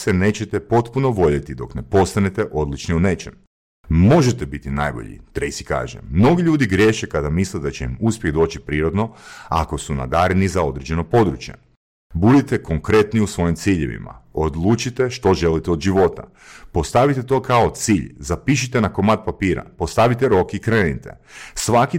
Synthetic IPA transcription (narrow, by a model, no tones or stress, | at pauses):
sene̞t͡ɕet̪epo̞t̪puno̞ʋo̞ʎet̪id̪o̞̰kne̞po̞st̪anet̪e̞ʔo̞d̪lit͡ʃniune̞t͡ʃem | mo̞ʒet̪ebit̪inajbo̞̰ʎḭt̪ɾejsi̥ka̰ːʒḛmno̞ɡiʎuːd̪iɡɾje̞ʃekad̪amisled̪at͡ɕeimuspʲjeɣd̪o̞ːt͡ɕipɾiːɾo̞d̪no̞a̰ko̞suna̰d̪aːɾenizao̞d̪ɾed͡ʑe̞no̞po̞d̪ɾut͡ʃje̞̰ | bud̪it̪eko̞ŋkɾe̞t̪niusʋo̞jimt̪siʎeʋḭma̰od̪lˠuːt͡ʃit̪e̞ʃt̪o̞ʒe̞lit̪eo̞d̪ʒiʋo̞t̪a̰ | po̞st̪aʋit̪et̪o̞kao̞t̪siːʎzapiʃ̬it̪enako̞mat̪̚papiːɾa̰po̞st̪aʋit̪eɾo̞kikɾeːnit̪ḛ | sʋaki